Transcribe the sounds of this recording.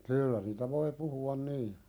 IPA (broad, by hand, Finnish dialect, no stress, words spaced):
kyːlːæ niːtæ ʋoi puhuɑn niː